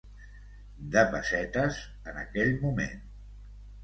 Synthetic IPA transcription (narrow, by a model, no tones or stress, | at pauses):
d̪əβəsɛt̪əz | ənə̰kɛʎmumḛn